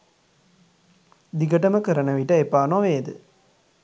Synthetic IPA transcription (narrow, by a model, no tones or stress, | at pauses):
d̪iɡɐʈɐmɐkɐɾɐnɐʋiʈːɐepːaːnõːʋeːd̪ɯ̰